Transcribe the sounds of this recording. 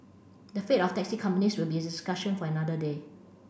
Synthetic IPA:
dəfetɔftɛk̚sikʰãmpəniswilbiediskaʃə̃nfɔənadəde

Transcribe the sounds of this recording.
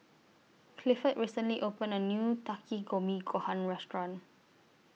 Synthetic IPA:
kʰlifətɹisə̃nliʔopə̃nənjutakʰiɡomiɡohãnɹɛstɹɔ̃n

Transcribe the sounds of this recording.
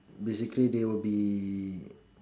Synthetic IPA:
besɪklidewəbi

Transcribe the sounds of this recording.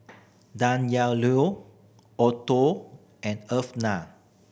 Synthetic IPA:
dãnjalu | ɔto | ɛ̃nəfna

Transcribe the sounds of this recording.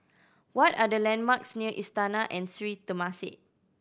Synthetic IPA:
wɔtadəlɛ̃nmaksniəʔistanaʔɛ̃nsɹit̪əmasɪ̰ʔ̚

